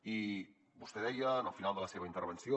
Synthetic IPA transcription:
i | bust̪eðɛʎanalfinalˠd̪əlɐseβaint̪əɾβənsjo

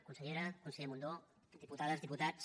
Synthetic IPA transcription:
kunsəʎeɾəkunsəʎemund̪o | d̪iput̪aðəzðiput̪at͡s

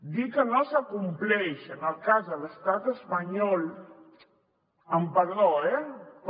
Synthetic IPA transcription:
d̪ikənɔsəkumplɛʃənəlˠkazələst̪at̪əspaɲɔl | əmpəðɾɔɛp

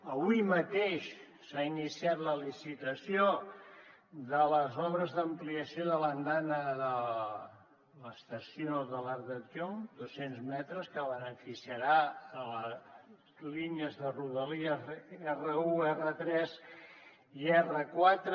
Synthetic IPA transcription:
əβuimət̪eʃ | sainisiat̪ləlisit̪əsio | ðələzɔβɾəzðəmpliəsioðələnd̪anəðə | ləst̪əsioðəlaɾðəʒoŋd̪osenzmɛt̪ɾəskəβənəfisiəɾaəə | liniəzðəruðəliəzerəuerət̪ɾɛz | ierəkwat̪ɾ

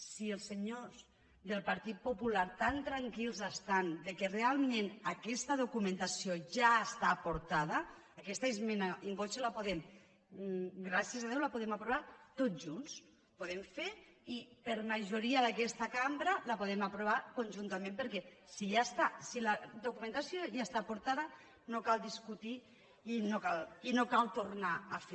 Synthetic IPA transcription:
sielˠsːeɲoz | ðəlˠpaɾt̪it̪̚populaɾt̪ant̪ɾaŋkilˠzast̪and̪əkerealˠmenakɛst̪aðukumə̃nt̪asioʒaəst̪aːpoɾt̪aðɐː | kɛst̪aizmɛnaʔiŋɡot͡ʃəlapuðɛm | ɡɾasjəzaðewlapuðɛmapɾuβat̪ot̪ʒuns | puðɛmfeɾipəɾmaʒuɾiaðakɛst̪akambɾalapuðɛmapɾuβakunʲʒunt̪amẽmpəɾkɛsijast̪asilad̪ukumẽnt̪asioʒast̪aːpuɾt̪aðɐ | nokalˠd̪iskut̪iː | nokalinokalˠt̪uɾnaːfe

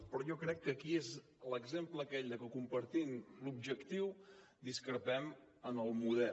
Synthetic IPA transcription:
pɾɔjɔkɾɛkːəkiez | ləɡzempləːkɛʎd̪əkəkumpəɾt̪inlub̚ʒəkt̪iw | d̪iskɾəpɛm | ənəlˠmuðɛ

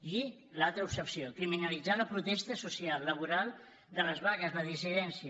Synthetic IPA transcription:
i | lalˠt̪ɾəupsəpsiokɾiminəlid͡zaləpɾut̪ɛst̪əsusialˠːəβ̞uɾalˠ | d̪ələzβaɣəzləðisiðɛnsiə

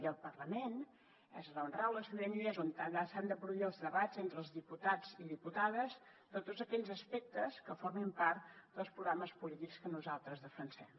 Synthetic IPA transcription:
əlˠpərləmen | ɛ̰zləunrawləsuðɛniezont̪anasand̪əpɾuðuiəlˠzðəβazent̪ɾəlˠzðiput̪ad͡ziðiput̪aðəz | t̪ot̪ozəkɛʎzəspek̚t̪əskəformimpaɾt̪d̪əlˠspɾuɣɾaməspulit̪ikskənuzalˠt̪ɾəzðəfənsɛm

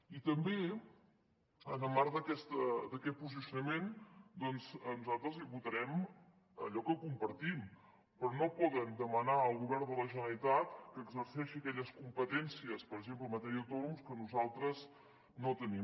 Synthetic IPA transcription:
it̪əmbe | ənəmaɾðəkɛst̪əd̪əkɛt̪̚puzisjunəmend̪ɔnznuzalˠt̪ɾəziβut̪əɾɛm | ə̰ʎɔkəkumpəɾt̪im | pɾɔnopɔðənd̪əmənaəlˠɣuβɛɾnd̪ələʒənəlit̪at̪kəːɡzəɾsɛʃiəkɛʎəskumpət̪ɛnsiəspəɾəɡʒempləmət̪ɛɾiut̪ɔnumskənuzalˠt̪ɾəz | not̪əni

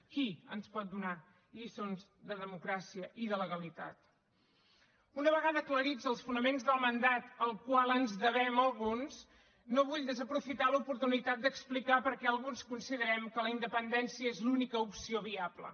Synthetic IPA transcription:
kiənspɔt̪̚d̪una | isonz | d̪əðəmukɾasiəʔiðələɣəlit̪a̰t̪ | unəβəɣaðəkləɾid͡zəlˠsfunəmenzðəlˠmənd̪at̪əlˠkwalˠənzðəβɛməlˠɣuns | noβ̞uʎd̪əzəpɾufit̪alupuɾt̪unit̪at̪̚d̪əksplikapəɾkɛəlˠɣunskunsiðəɾɛmkələind̪əpənd̪ɛnsiəezlunikəupsioβiaβlə̰

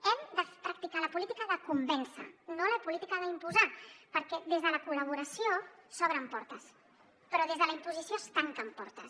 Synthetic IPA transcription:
ɛmd̪əpɾak̚t̪ikaləpulit̪ikəðəkumbɛnsə̰noləpulit̪ikəðəimpuzapəɾkɛðezðələkuləβ̞uɾəsiosɔβɾəmpɔɾt̪əs | pɾɔðezðələimpuzisiost̪aŋkəmpɔ̰ɾt̪əs

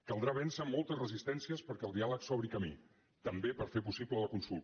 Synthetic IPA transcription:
kəlˠd̪ɾaβ̞ɛnsəmɔlˠt̪əsrəzist̪ɛnsiəspəɾkɛlˠd̪ialəksɔβɾikəmḭ | t̪əmbepəɾfepusiblələkunsulˠ

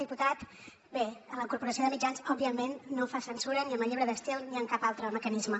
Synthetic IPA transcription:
iput̪at̪ | beələkuɾpuɾəsioðəmid͡ʒanzɔbiəmenːofasənsuɾəniəməʎeβɾəðəst̪ilˠniəŋkapalˠt̪ɾəməkənizmə

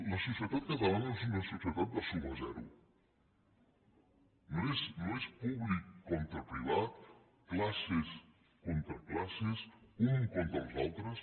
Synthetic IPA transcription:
lasusjet̪at̪̚kaðalansunɐsusjet̪at̪̚d̪asuβazɛ̰ɾṵ | noesnoespuβlikːont̪ɾapɾiβat̪ | klases | kont̪ɾaklasesuŋkont̪ɾalˠzalˠt̪ɾəs

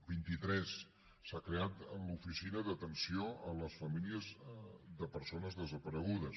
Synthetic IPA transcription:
bint̪it̪ɾɛsː | akɾeat̪ənlufisinəðət̪ənsioələsfəmiliəzðəpəɾsonəzðəzəpəɾəɣ̞uðəs

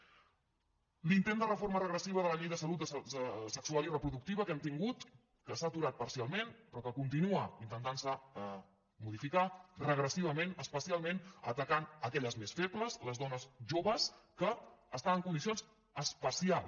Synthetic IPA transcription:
lint̪end̪ərəfoɾmərəɣɾəsiβəðələʎɛjðəsəlut̪d̪əsəksualˠiirəpɾuðuk̚t̪iβ̞əkɛmt̪iŋɡut̪ | kəsat̪uɾat̪̚pəɾsialˠmenpɾɔkəkunt̪inuəint̪ənt̪ansə | muðifikarəɣɾəsiβəmenəspəsialˠmenət̪əkanəkɛʎəzmesfɛbləzləzðɔnəzʒoβəskəːst̪anəŋkund̪isionz | əspəsial

